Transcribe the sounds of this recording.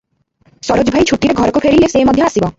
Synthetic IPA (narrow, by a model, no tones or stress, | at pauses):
sɔɾod͡ʒbʱajt͡ʃʰuʈiɾeɡʱɔɾɔkupʰeɾilesemɔd̪ʱjɔasibɔ